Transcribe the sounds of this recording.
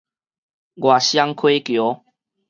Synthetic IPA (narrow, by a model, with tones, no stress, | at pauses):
ɡwa˨˩ɕja˦ŋkʰwe˦kjo˨˦